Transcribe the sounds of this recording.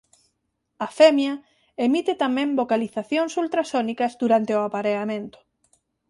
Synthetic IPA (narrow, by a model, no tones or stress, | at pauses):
afemjɐ | emit̪ɪt̪amɛ̃mbokaliθaθjoŋsult̪ɾasonikɐzd̪uɾant̪eʊapaɾeamẽnt̪ʊ̥